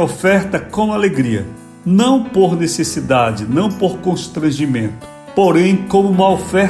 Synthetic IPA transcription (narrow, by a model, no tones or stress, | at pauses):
ofɛɾt̪ɐkõw̃aleɡɾiɐ̰ | nɐ̃w̃poɾnesesid̪ad͡ʒɪnɐ̃w̃poɾkõʃt̪ɾɐ̃ʒimẽnt̪ʊ̥ | poɾẽj̃kõmʊũmɐofɛɾ